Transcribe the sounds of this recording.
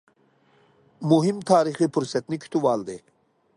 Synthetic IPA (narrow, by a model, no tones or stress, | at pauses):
muɦimt̪ʰaːɾixipuɾsɐt̪nikʰi̥t̪ʰuʋaːld̪e